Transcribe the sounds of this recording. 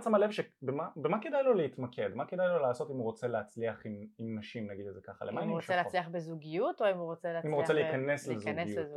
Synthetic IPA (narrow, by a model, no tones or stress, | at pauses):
t͡samale̞vʃebemabemakedajlo̞leit̪makʰe̞d̪maked̪ajlo̞laːso̞timuʁo̞t͡se̞leat͡sliaχimimnaʃimnaɡid̪ezekaχa̰lemainnimʃelealiabezuɡijutoimuʁot͡seleaimuʁot͡seleikane̞slezɡiu